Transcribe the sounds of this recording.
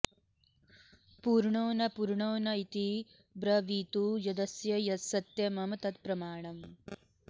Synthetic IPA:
puːɾɳoːnɐpuːɾɳoːnɐit̪i | bɾɐʋiːt̪uːjɐd̪ɐsjɐjɐt̪sɐt̪jɐmɐmt̪ɐt̪pɾɐmaːɳɐm

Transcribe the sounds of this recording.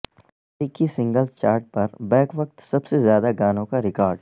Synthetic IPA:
iːkisɪ̃ŋɡəlzt͡ʃaːɾʈ̚pɐɾbɛːkʋɐk̚t̪sɐbsezjaːd̪aɡaːnõkaɾɪkaːɾɖ

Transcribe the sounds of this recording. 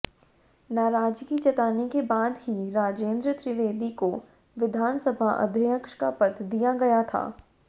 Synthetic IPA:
naːɾaːd͡ʒkit͡ʃɐt̪aːnekebaːd̪ɦiɾaːd͡ʒeːnd̪ɾət̪ɾɪʋeːd̪iko | ʋɪd̪ʱaːnsəbʱaʔɐ̰d̪ʱəkʃkapɐt̪ʰd̪ijaɡɐjat̪ʰa̰ː

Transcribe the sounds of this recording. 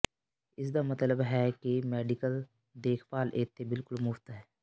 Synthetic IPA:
ɪsd̪amɐt̪ləbɦɛkimɛːɖɪkəl | d̪eːkʰpaːlʔeːt̪ʰːebɪlkʊlmʊft̪ɦɛː

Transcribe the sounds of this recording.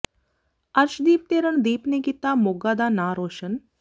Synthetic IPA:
ɐɾʃd̪iːp̚t̪eːɾəɳd̪iːpnekit̪aːmoɡaːd̪aːnaːɾoːʃən

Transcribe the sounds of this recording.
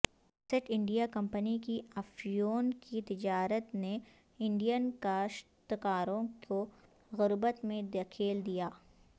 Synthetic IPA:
sɪʈʰɪ̃ɳɖijakɐ̃mpənikiɐfijoːnkit̪ɪd͡ʒaːɾət̪ne | ɪ̃ɳɖijənkaːʃ | t̪ɪkaːɾõkʰo | ɣʊɾbət̪mẽd̪ekʰiːld̪ijaː

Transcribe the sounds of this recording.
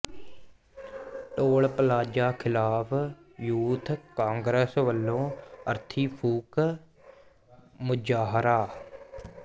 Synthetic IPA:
ʈoːɭpəlaːd͡ʒaːkʰɪlaːpʰ | juːt̪ʰkãːŋɡɾesʋəlːõːə̰ɾt̪ʰiːpʰuːk | mʊd͡ʒaːɦɾaː

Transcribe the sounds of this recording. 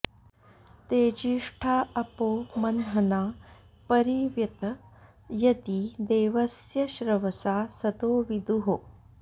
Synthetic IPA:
t̪eːd͡ʒiʂʈʰaːɐpoːmɐnɦɐnaː | pɐɾiʋjɐt̪ɐ | jɐt̪id̪eːʋɐsjɐʃɾɐʋɐsaːsɐt̪oːʋid̪uɦo

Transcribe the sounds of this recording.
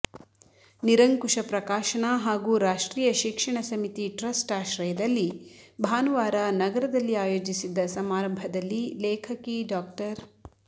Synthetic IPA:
niɾɐŋkuʂɐpɾɐkaːʃɐɳɐɦaːɡuːɾaːʂʈɾiːjɐʃikʂɐɳɐsɐmit̪iʈɾɐsʈaːʃɾɐjɐd̪ɐlːibʱaːnuʋaːɾanɐɡɐɾɐd̪ɐlːiaːjo̞ːd͡ʒisid̪ːɐsɐmaːɾɐmbʱɐd̪ɐlːilɛːkʰɐkiɖaːk̚ʈɐɾ

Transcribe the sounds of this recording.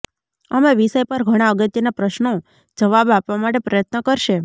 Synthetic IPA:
əmeʋiʃəjpəɾɡʱəɽ̃aəɡət̪jənapɾəʃno | d͡ʒəʋabapʋamaʈepɾəjət̪nəkəɾʃe

